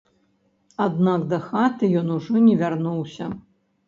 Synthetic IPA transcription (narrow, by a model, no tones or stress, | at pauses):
ad̪nakd̪ɐxat̪ɨjɔnuʐɔnʲɛvʲarnuwsʲɐ